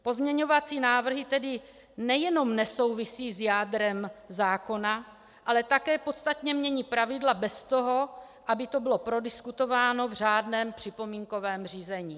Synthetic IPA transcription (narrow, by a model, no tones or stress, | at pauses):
po̞zmɲɛɲo̞vat͡siːnaːvr̩ɦɪt̪ɛdɪ | nɛjɛno̞mnɛso̞wvɪsiːzjaːdɾɛmzaːko̞na | ʔalɛt̪akɛːpo̞t̪st̪at̪ɲɛmɲɛɲiːpɾavɪdlabɛst̪o̞ɦo̞ | ʔabɪt̪o̞bɪlo̞pɾo̞dɪskut̪o̞vaːno̞vr̝aːdnɛːmpr̝̥ɪpo̞miːŋko̞vɛːmr̝iːzɛɲiː